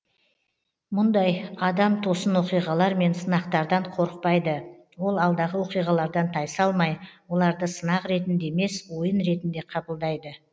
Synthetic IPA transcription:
mʊnd̪ɑjɑd̪ɑmt̪ʰo̞sənwo̞qijʁɑlˠɑɾme̞nsənɑqt̪ɑɾd̪ɑɴqʰo̞ɾəq̚pɑjd̪ə | wo̞lˠɑlˠd̪ɑʁəwo̞qijʁɑlˠɑɾd̪ɑnt̪ʰɑjsɑlˠmɑjwo̞lˠɑɾd̪əsənɑqɾe̞t̪ɪnd̪e̞me̞swo̞jənɾe̞t̪ɪnd̪e̞qʰɑbəlˠd̪ɑjd̪ə

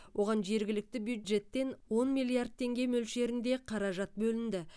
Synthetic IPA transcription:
wʔo̞ʁɑnʒe̞ɾɡʲɪlɪk̚t̪ɪbjud̪ʒe̞t̪ːe̞nwo̞nmilˠijard̪̚t̪ʰe̞ŋɡʲe̞mɵlʃe̞ɾɪnd̪e̞qʰɑɾɑʒɑt̪̚bɵlɪnd̪ɪ

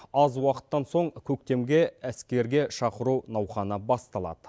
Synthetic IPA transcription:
ɑzwɑqə̥t̪ːɑnso̞ɴkʲʰɵk̚t̪e̞mɡʲe̞æskʲe̞ɾɡʲe̞ʃɑqəɾunɑwχɑnəbɑst̪ɑlˠɑ̰d̪ə

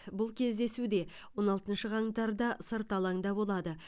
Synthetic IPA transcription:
bʊlˠkʲʰe̞zd̪e̞sud̪e̞ | wo̞nɑlˠt̪ənʃəʁɑŋt̪ɑɾd̪ɑsəɾt̪ɑlˠɑŋd̪ɑbo̞lˠɑd̪ə

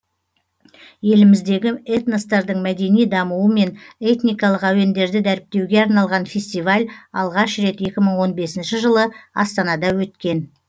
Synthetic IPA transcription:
je̞lɪmɪzd̪e̞ɡʲɪet̪nest̪ɑɾd̪əɴmæd̪e̞nijd̪ɑmuwəme̞ne̞t̪nijkɑlˠəqæwe̞nd̪e̞ɾd̪ɪd̪æɾɪp̚t̪e̞wɡʲe̞ɑɾnɑlˠʁɑnfʲe̞sʲt̪ijvalʲɑ̰lˠʁɑʃɾe̞t̪je̞kʲɪməɴwo̞nbe̞sɪnʃɪʒəlˠəɑ̰st̪ɑnɑd̪ɑwɵt̪kʲe̞n

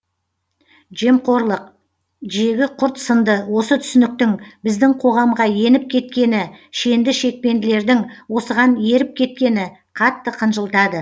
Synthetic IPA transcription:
ʒe̞mqʰo̞ɾlˠəq̚ | ʒe̞ɡʲɪqʰʊɾt̪sənd̪əwo̞sət̪ʰʏ̥sɪnɪk̚t̪ɪŋbɪzd̪ɪŋqʰo̞ʁɑmʁɑje̞nɪp̚kʲʰe̞t̪kʲe̞nɪʃe̞nd̪ɪʃe̞k̚pe̞nd̪ɪle̞ɾd̪ɪŋwo̞səʁɑnje̞ɾɪp̚kʲʰe̞t̪̚kʲe̞nɪ | qʰɑt̪ːəqʰənʒəlˠt̪ɑd̪ə

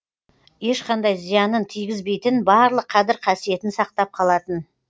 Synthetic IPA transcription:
je̞ʃqɑnd̪ɑjzijɑnənt̪ʰijɡʲɪzbe̞jt̪ɪnbɑɾlˠəqʰɑzɪɾqʰɑsije̞t̪ɪnsɑqt̪ɑp̚qʰɑlˠɑt̪ən

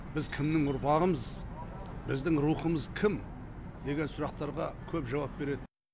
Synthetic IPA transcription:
bɪzkʲʰɪmnɪŋʊɾpʰɑʁəməz | bɪzd̪ɪŋɾuχəməzkʲʰɪm | d̪e̞ɡʲe̞nsʊɾɑqt̪ɑɾʁɑkʲʰɵpʒɑwɑp̚be̞ɾe̞d̪ɪ

